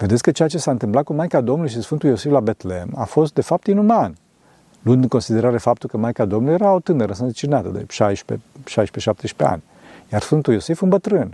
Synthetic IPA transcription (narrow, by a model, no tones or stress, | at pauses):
ved̪et̪sʲkət͡ʃejat͡ʃe̞saɨnt̪ɨmplat̪̚kumajkad̪o̞mnulʃ̬isfɨnt̪ujo̞sivlabe̞t̪lema̰fo̞st̪d̪e̞fap̚t̪inuman | luɨnd̪ɨŋko̞nsid̪e̞ɾaɾe̞fap̚t̪ulkəmajkad̪o̞mnulje̞ɾaot̪ɨnəɾəns̬ət͡ʃinat̪əd̪ḛʃajʃpḛʃajʃpeʃap̚t̪eʃpea̰nʲ | jarsfɨnt̪ujo̞sefɨmbət̪ɾɨn